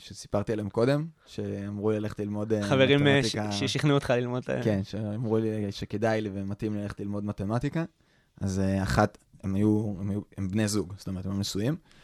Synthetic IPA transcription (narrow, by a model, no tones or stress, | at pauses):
paʃut̪si̥paʁt̪ialemko̞de̞m | ʃe̞amʁulilale̞χetlilmo̞deχaveʁimt̪ikaʃiχnuot̪χalilmod̪lkenʃeamʁuliʃekedajliveematimlilale̞χetlilmo̞dmat̪e̞mat̪ika | ʔazeaχat̪emajuemajuembnezuɡso̥tomeʁtemjumnesujim